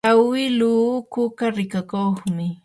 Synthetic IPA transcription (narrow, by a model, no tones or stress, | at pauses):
awɪluːkʊkaɾɪkakoχmɪ